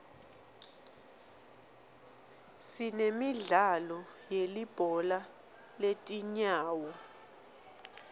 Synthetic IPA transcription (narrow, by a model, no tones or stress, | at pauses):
sinemiɮalɔjelib̥ʱɔla | letʼiɲaːwɔ